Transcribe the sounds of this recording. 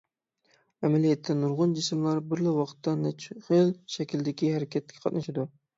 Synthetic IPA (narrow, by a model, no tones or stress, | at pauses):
æmɛlijɛt̪ʰːɛnuɾʁʊnd͡ʒɪsmlˠɑɾbɪɾlɪwɑqt̪ʰːɑnɛt͡ʃʰχelʃɛkʲʰild̪ɪkʲihæɾɪkʲʰɛt̪̚ːɪ̥kʰʲɛ̥qʰɑt̪nɨʃɪd̪u